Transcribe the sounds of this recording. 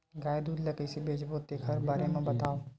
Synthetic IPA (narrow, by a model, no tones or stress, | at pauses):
ɡaːjd̪uːd̪lɐkesebeːd͡ʒboːt̪̚d̪eːkʰɐɾbaːɾemẽbɐt̪aːo